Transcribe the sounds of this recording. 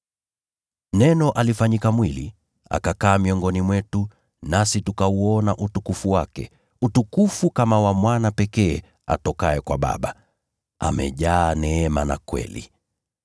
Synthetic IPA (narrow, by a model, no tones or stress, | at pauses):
nɛnɔʔalifaɲikamwili | a̰kakaːmiɔŋɡɔnimwɛtu | nasitukauɔnaʔutukufuwakɛ | utukufukamawamwanapɛkɛː | a̰tɔkaɛkwa̰ɓa̰ɓa | a̰mɛ̰ʄaːnɛɛmana̰kwɛ̰lḭ